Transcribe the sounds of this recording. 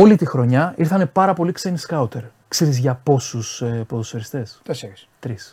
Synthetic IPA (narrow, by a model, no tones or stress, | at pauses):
o̞lit̪ixɾo̞ɲɐiɾθɐne̞pɐɾɐpo̞liksenskɐut̪e̞ɾ | kseɾizʝɐpo̞susepoðosoɾist̪e̞st̪st̪ɾis